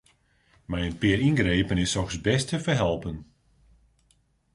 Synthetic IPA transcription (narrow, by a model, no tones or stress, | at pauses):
majənpɪəɾinɡɾejpənɪsɔxsbɛstəfərɦɛlˠpən